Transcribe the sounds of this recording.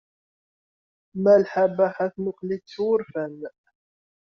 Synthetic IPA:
mælħabaħaθmʊqlit͡sːwʊɾfæn

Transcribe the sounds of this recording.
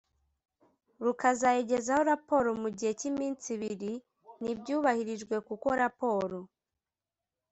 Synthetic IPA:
ɾukazajeɟe̞zaho̞ɾapo̞ɾo̞muɟihe̞cimiːnt͡siβiɾi | nibɟuːβahiɾiʒɡwe̞kuko̞ɾapo̞ːɾo̞

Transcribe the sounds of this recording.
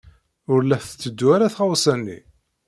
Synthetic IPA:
ʊɾlæθt͡sːəd̪ːuaɾaθχawsænːḭ

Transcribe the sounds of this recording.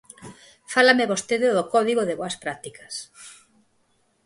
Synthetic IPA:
falameβost̪eðeðokɔðiɣoðeβoɐspɾat̪ikɐ̥s

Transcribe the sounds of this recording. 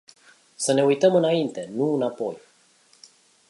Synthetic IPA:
səne̞ujt̪əmɨnaint̪e̞nuɨnapo̞j

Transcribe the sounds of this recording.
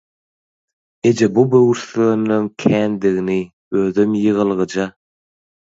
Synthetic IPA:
ed͡ʒebubøɣyɾθønːøŋkʲʰæːnd̪iɣini | øðømjɯʁɯlˠʁɯd͡ʒɑ

